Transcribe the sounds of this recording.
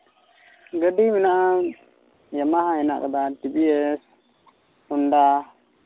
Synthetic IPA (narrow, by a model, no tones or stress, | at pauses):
ɡəɖimɛnaʔa | jamaɦãhɛna̰ʔkad̪aʈibiɛs | hunɖa